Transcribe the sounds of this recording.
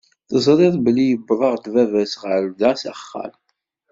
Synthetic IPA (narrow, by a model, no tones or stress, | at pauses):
θəzˤɾɪðˤbəlːijəbːɾˤəʁd̪vævæsʁəɾðæsæχːæ̰l